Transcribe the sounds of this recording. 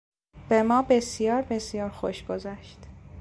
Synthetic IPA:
b̥emɒːbe̞sjɒːɾbe̞sijɒːɾxoʃɡ̥ozæʃt̪

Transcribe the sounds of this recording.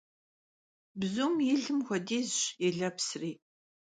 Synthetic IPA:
bzuːmjɪɮɨmxʷɔdiːzɕɛɮɐpsriː

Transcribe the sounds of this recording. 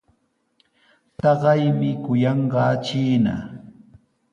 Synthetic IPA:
t̪ɑɢɑjmɪkʊjɑɴɢɑt͡ʃiːna̰

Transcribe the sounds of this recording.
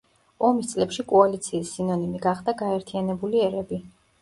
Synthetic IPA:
ɔmist̪sʼlɛpʃikʼɔalit̪sʰiːsːinɔnimiɡaχd̪aɡaɛɾt̪ʰianɛbuliɛɾɛbi

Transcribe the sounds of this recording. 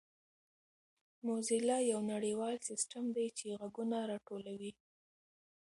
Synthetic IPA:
mozilɑjawnaɽiwɑlsɪsʈamd̪ajt͡ʃeɣaɡunaɾɑʈolawi

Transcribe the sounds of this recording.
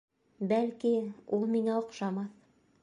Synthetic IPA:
bælkiulˠmiŋæŏqʃɑmɑθ

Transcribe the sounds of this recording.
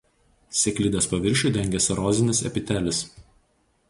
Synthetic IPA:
sʲɛkʲlʲiːd̪ʲɐspɐʋʲɪɾʲʃʲuːˑd̪ʲɛŋʲɡʲɛsʲɐɾɔːzʲɪnʲɪsɛ̰pʲɪt̪ʲæːlʲɪs

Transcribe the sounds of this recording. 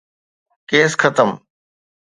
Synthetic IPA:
keːskʰət̪əm

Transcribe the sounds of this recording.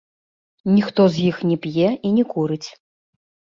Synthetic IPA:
nʲixt̪ɔzjixnʲɛpjɛinʲɛkuɾɨt͡sʲ

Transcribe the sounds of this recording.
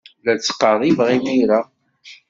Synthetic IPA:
læt͡sːə̥qːɑðˤivʁimiɾa

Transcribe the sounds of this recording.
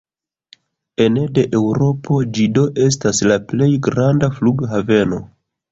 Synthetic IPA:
e̞nede̞ʔewɾo̞po̞d͡ʒido̞ʔe̞s̬taslaple̞jɡɾandafluɡɦave̞no̞

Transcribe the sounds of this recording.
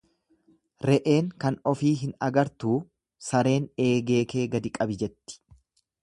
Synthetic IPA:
ɾɛʔe̞ːŋkɐnɔfiːɦɪnɐɡɐɾt̪uː | sɐɾe̞ːne̞ːɡe̞ːke̞ːɡɐd̪ɪkʼɐbɪd͡ʒɛt̪ːɪ̥

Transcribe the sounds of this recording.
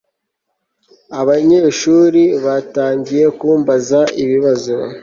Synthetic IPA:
aβaɲe̞ːʃuːɾiβataːɲɟije̞kuːmbazaiβiβazo

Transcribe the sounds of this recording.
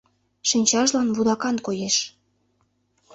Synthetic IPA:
ʃinʲt͡ɕɑʒlɑnβud̪ɑkɑnkojeʃ

